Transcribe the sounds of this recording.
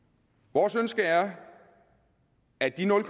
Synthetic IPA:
ʋɒːsønsɡ̥əæɐ | æd̥inɔ̽lkʰ

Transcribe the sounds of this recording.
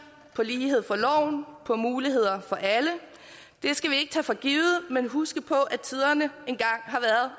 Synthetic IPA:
pʰɒ̽liːɦe̝ð̞̰ˠfɒ̽lɒʊ̰npʰɒ̽muːliɦe̝ð̞̰ˠɐfɒ̽ʔælə | d̥e̝sɡ̥æʋie̝ɡ̥ət͡sʰɛfɒ̽ɡ̥iːʊð̩ˠmenɦusɡ̥əpʰɒ̽ʔæt͡sʰið̞ˠɐnəe̝nɡ̥ɑ̈ŋ̰ɦɑ̈ʋæːɐð̩ˠ

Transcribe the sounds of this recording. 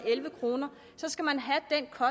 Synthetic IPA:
elʋəkʰʁo̝ːnɐ | sɒ̽sɡ̥æmænɦæd̥enkʰɒ̽

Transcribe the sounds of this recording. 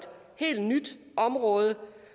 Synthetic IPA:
d̥ | he̝̰ːld̥nyd̥ | ʔɒ̽mʁɔ̽ːð̞ˠə

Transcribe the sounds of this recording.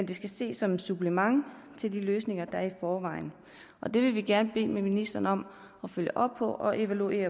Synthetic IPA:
end̥esɡ̥æse̝̰ːsɒ̽msub̥lemɑ̈ŋ̰ | t͡sʰe̝ld̥iløːsne̝ŋɐd̥ɑæɐifɒːʋɑ̈ɪn̩ | ʔɒ̽d̥e̝ʋe̝ʋiɡ̥æɐnəb̥e̝̰ːmeminisd̥ɐnəɒ̽m̰ | ɒ̽føljəʔɒ̽b̥̚pʰɒ̽ʔɒ̽ʔe̝ʋælue̝̰ːɐ

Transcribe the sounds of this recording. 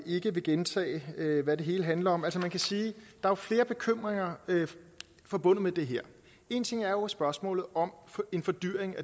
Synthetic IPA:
e̝ɡ̥əʋe̝ɡ̥ent͡sʰɛ̰ːɪʋæd̥e̝ɦe̝ːləɦænlɐɒ̽mælsəmænkʰæsiːd̥ɑ̈æɐfle̝ːɐb̥e̝kʰøm̰ʁeŋɐ | fɒ̽b̥ɔ̽n̰ð̩ˠmed̥e̝ɦeɐ̰ | e̝ːnt͡sʰe̝ŋ̰æɐjo̝sb̥ɶɐsmɔ̰̽ːlð̩ˠɒ̽me̝nfɒ̽d̥yɐ̰eŋæ

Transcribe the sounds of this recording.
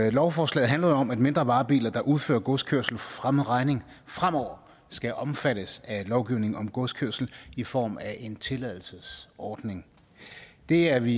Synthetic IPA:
lɒʊfɒːslɛ̰ːð̩ˠænlɐðˠoɒ̽mæd̥me̝nd̥ʁɐʋɑ̈ːb̥ḭːlɐd̥ɑ̈ʔuð̞ˠfø̰ɐɡ̥ɔskʰøɐ̰sl̩fɒ̽fʁaməð̩ˠʁɑ̈ɪne̝ŋ | fʁam̰ɒʊ̰ɐ | sɡ̥æʔɒ̽mfæɾ̥əsælɒʊɡ̥iʊne̝ŋ̩ɒ̽mɡ̥ɔskʰøɐsl̩ifɒ̰ːmæʔe̝nt͡sʰe̝lɛðˠl̩səsɒːd̥ne̝ŋ | d̥e̝æɐʋi

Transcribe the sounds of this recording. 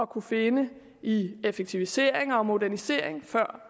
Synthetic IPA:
ɒ̽kʰufe̝nə | iefeɡ̥̚t͡sʰiʋise̝̰ːɐ̰e̝ŋɒ̽mo̝dæɐnise̝ɐ̰eŋfɶɐ̰

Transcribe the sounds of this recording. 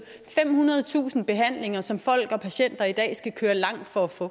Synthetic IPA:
fem̰hunɐð̞ˠt͡sʰṵːsn̩b̥e̝ɦæn̰le̝ŋɐsɒ̽mfɒ̽l̰ɡ̥ɒ̽pʰæɕen̰d̥ɐid̥ɛ̰ːsɡ̥ækʰøːɐlɑ̈ŋ̰d̥fɒ̽æfɔ̰̽

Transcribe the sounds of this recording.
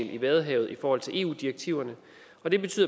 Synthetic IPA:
liʋɛðˠɦɛ̰ːʊð̞̩ˠifɒːhɒ̽l̰t͡sʰe̝ʔe̝̰ːṵːd̥iɐɡ̥̚t͡sʰiʊɐnə | ɒ̽d̥e̝b̥e̝t͡sʰy̰ð̰ˠ

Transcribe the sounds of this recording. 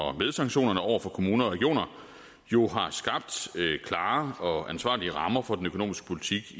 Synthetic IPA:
ɒ̽með̞ˠsɑ̈ŋɡ̥ɕo̝̰ːnɐnəɒʊ̰ɐfɒ̽kʰo̝muːnɐɒʁɛɡ̥jo̝̰ːnɐ | jo̝ɦɑ̈sɡ̥ɑ̈b̥̚d̥økʰlɑ̈ːɒ̽ænsʋɑ̰̈ːliəʁɑ̈mɐfɒ̽d̥enøkʰo̝no̝̰ːmisɡ̥ə̥pʰo̝lit͡sʰiɡ̥

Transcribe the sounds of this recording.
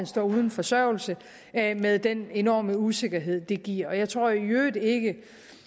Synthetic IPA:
ænsd̥ɒ̰ːuð̞ˠn̩fɒ̽sɶɐʊlsə | meðˠd̥ene̝nɒ̰ːməuse̝ɡ̥ɐɦe̝ð̰ˠd̥e̝ɡ̥iɐ̰ɒ̽jɑ̈ɪt͡sʰʁo̝ɐ̰jøːðˠe̝ɡ̥ə

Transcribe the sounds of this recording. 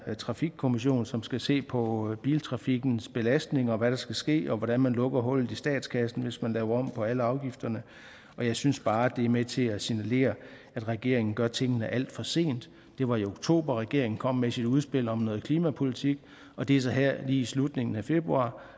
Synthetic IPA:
t͡sʰʁɑ̈fiɡ̥̚kʰo̝miɕ̬o̝̰ːnsɒ̽msɡ̥æse̝̰ːpʰɒ̽b̥ḭːlt͡sʰʁɑ̈fiɡ̥n̩sb̥e̝læsd̥ne̝ŋɒ̽ʋæɾ̥ɑ̈sɡ̥æsɡ̥e̝̰ːɒ̽ʋɒɾ̥ænmænlɔ̽ɡ̥ɐɦɔ̽l̰ð̩ˠisd̥ɛ̰ːd̥skʰæsn̩ʋe̝smænlɛːʊɐɒ̽m̰pʰɒ̽æləɑ̈ʊɡ̥ifd̥ɐnə | ɒ̽jɑ̈ɪsynsb̥ɑ̈ːd̥e̝æɐmet͡sʰe̝læsinæle̝̰ːɐ | æd̥ʁɛɡ̥e̝ɐ̰e̝ŋn̩ɡ̥ɶɐt͡sʰe̝ŋ̰ənəʔæl̰d̥fɒ̽se̝̰ːnd̥ː | e̝ʋɑ̈ioɡ̥t͡sʰo̝̰ːb̥ɐʁɛɡ̥e̝ɐeŋn̩kʰɒ̽m̰mesid̥uð̞ˠsb̥e̝l̰ɒ̽mnɔ̽ːð̩ˠkʰliːmæpʰo̝lit͡sʰiɡ̥ | ɒ̽d̥e̝æɐsɒ̽ɦæɐ̰liːislud̥ne̝ŋn̩æfe̝b̥ʁuɑ̰̈ː

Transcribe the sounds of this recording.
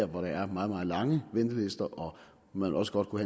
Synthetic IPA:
ɐ̰ʋɒɾ̥ɑæɐmɑ̈ːð̩ˠmɑ̈ːð̩ˠlɑ̈ŋəʋend̥əle̝sd̥ɐʔɒ̽ | mænḛlɒ̽sə̥ɡ̥ɒ̽d̥̚kʰuhæ

